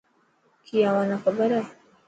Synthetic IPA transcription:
kʰijawanaxabaɾa

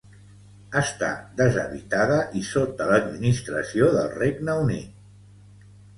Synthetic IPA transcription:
əst̪a̰d̪əzə̰βit̪aðəʔisot̪̚ələd̪minist̪ɾəsioðəlˠreɡnəunḭt̪̚

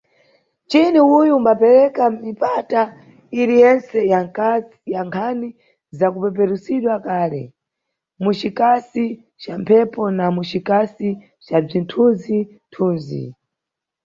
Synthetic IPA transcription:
t͡ʃiniujuːmbapɛɾɛkamipata | iɾijɛnsɛja | jaŋkʰani | zakupɛp̬ɛɾusiɗwakaːlɛ̰ | mut͡ʃikasi | t͡ʃampʰɛpɔnamut͡ʃikasi | t͡ʃab͡ʐintʰuzintʰuːnzḭ

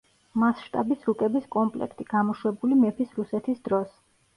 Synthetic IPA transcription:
masʃt̪ʼa̰bisɾukʼɛbiskʼɔmpʼlɛ̰kʰt̪ʼiɡ̥amɔʃwɛbulimɛpʰisɾusɛt̪ʰisd̪ɾɔs

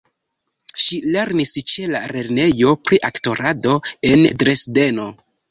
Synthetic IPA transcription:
ʃile̞ɾnist͡ʃe̞laɾe̞ɾne̞jo̞pɾiʔakto̞ɾado̞e̞ndɾe̞sde̞no̞

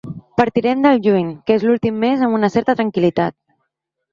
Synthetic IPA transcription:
pəɾt̪iɾɛmd̪əlˠʒuɲkezlulˠt̪imːezəmunəsɛɾt̪ət̪ɾəŋkilit̪a̰t̪̚

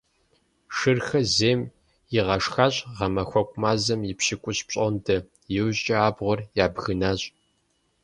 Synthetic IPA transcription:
ʂɨrxɐzeːm | jɪʁɐʂxaːɕʼʁɐmɐxʷɔkʷʼʊmaːzɐmjɪpɕɪkʷʼʊɕpɕʼondʰɐ | jɪwʑʼɐaːbʁʷɔrjaːbɣɨnaːɕʼ

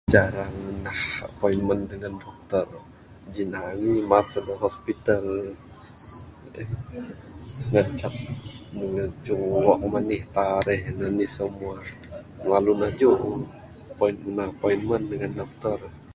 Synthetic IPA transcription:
d͡ʒaɾaŋnahpɔinməndəŋandɔk̚t̪ər | d͡ʒinaŋimasadəɦɔspit̪al | ŋat͡ʃaʔ̚nəŋəd͡ʒʊŋwaʔmanɪht̪aɾɛhnanisəmua | lalunahd͡ʒu | pɔinnahpɔinməndəŋandɔk̚t̪ər

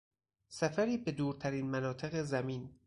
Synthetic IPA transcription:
sæfæɾiːbe̞d̪uːɾt̪ʰæɾiːnmænɒːt̪ʰe̞ɣe̞zæmiːn

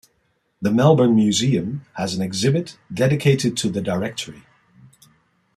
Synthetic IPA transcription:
ðɨmɛlˠbə˞nmjʉziɨ̃məz̃n̩ɨɡzɪbɨtd̥ɛɾɨkʰeɪɾɨd̚tʰɨðɨdəɹɛk̚tʰə˞i

